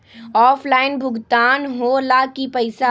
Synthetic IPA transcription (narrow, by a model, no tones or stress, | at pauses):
ɔːfʰlaːɪnbʱʊɡt̪aːnɦolakipɐɪsa